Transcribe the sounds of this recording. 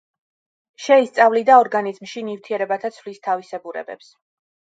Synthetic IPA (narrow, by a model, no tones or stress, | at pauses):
ʃɛist̪sʼavlid̪aɔɾɡanizmʃinift̪ʰiɛɾɛbat̪ʰat̪sʰvlist̪ʰavisɛbuɾɛ̰bɛ̰ps